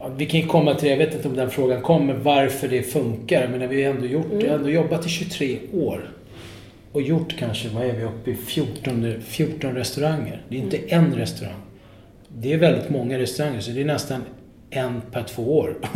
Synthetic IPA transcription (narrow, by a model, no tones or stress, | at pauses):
vɪkʰanjɵkʰɔmːat̪ʰɪljaveːt̪ɪnt̪əɔmd̪ɛnfɾoːɡankʰɔmːəɾvaɾfœɖɛfɵŋkaɾjameːnaɾvɪhaɾɛnd̪oːjʊʈːdɛɛnd̪oːjɔbːat̪ʰːɪɕɵt̪ʰɾeːoːɾ | ɔjʊʈːkʰanʂəvaæɾvɪɵpːɪfjuːʈɔnəfjuːʈːɔnɾɛst̪ɵɾaŋːə̰ɾd̪ɛjɪnt̪əʔɛnɾɛst̪ɵɾa̰ŋː | d̪ɛːɾvɛld̪ɪt̪mɔŋːaɾɛst̪ɵɾaŋːəɾsɔd̪ɛːɳɛst̪an | ʔɛnpʰæʈʰv̥oːoːɾ